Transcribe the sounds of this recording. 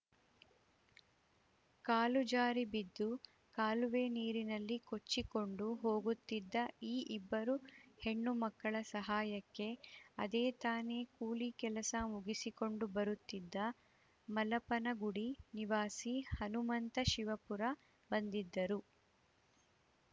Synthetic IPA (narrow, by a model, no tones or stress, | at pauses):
kaːlud͡ʒaːɾibid̪ːu | kaːluʋe̞ːniːɾinɐlːiko̞t͡ʃːiko̞ɳɖuɦo̞ːɡut̪ːid̪ːɐiːʔibːɐɾuhe̞ɳːumɐkːɐɭɐsɐɦaːjɐkːe̞ɐd̪eːt̪aːne̞ːkuːlikɛlɐsɐmuɡisiko̞ɳɖubɐɾut̪ːid̪ːɐ | mɐlɐpɐnɐɡuɽiniʋaːsihɐnumɐnt̪ɐʃiʋɐpuɾɐ | bɐnd̪id̪ːɐɾu